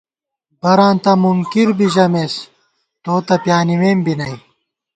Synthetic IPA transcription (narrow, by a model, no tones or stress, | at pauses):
bɐɾaːnt̪ɐmuŋkiɾbiʑɐmeːs | t̪oːt̪ɐpjaːnimeːmbinɐj